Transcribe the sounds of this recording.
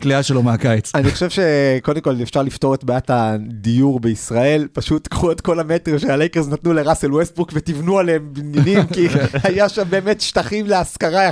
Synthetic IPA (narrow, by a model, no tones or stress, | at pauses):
kliaʃelomeakajt͡saniχo̞ʃevʃe̞ko̞demkolefʃaʁlifto̞ʁetbeaatadijuʁbeisʁae̞lpaʃutːkχuetko̞lametʁiʃealejkeznatnuleʁaselwesbukvetivnualeembnjanimkiajaʃambe̞ːmetʃtaχimleaskaʁa